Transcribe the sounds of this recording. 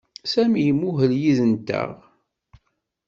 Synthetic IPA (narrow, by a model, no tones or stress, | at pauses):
sæmjəmuɦəljiðənt̪ə̰ʁ